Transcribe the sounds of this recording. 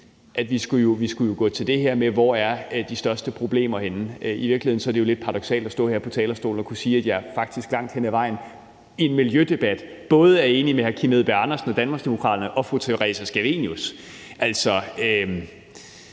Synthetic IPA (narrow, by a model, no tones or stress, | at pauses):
ʔæd̥ʋisɡ̥ujo̝ʋisɡ̥ujo̝ɡ̥ɔ̰̽ːt͡sʰe̝ld̥e̝ɦeɐ̰meʋɒæɐd̥isd̥ɶɐsd̥əpʰʁo̝b̥le̝̰ːmɐhenəøiʋiɐɡlihð̰ˠn̩sɒɐɾ̥ejo̝led̥̚pʰɑʁɑɾ̥ɒ̽ɡ̥sɛ̰ːldæsd̥ɔ̰̽ːheɐ̰pʰɒ̽t͡sʰɛ̰ːlɐsd̥o̝ːln̩ɒ̽kʰusiːæd̥jɑ̈æɐfɑ̈ɡ̥̚d̥isɡ̥lɑ̈ŋ̰d̥henəæʋɑ̈ɪ̰n̩ | enmiljød̥e̝b̥æd̥ | b̥ɔ̽ːð̞̩ˠəæɐe̝ːnimehæɐkʰimeðˠb̥eɑ̈nɐsn̩ɒ̽d̥ænmɑ̈ɡsd̥e̝mokʰʁɑ̰̈ːd̥ɐnəʔɒ̽fʁut͡sʰeʁɛ̰ːsæsɡ̥æʋe̝̰njusʔæl̰sɒ̽ø